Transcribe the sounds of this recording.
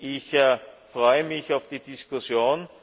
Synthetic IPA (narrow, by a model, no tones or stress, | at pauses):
ʔɪçfʁɔʏəmɪçaʊfd̥iːdɪskʊsjoːn